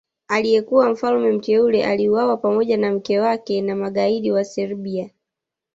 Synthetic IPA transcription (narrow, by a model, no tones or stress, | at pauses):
alijɛkuwam̩falmɛm̩tɛulɛʔaliuwawapamɔʄanam̩kɛwakɛnamaɠaiɗiwasɛɾɓia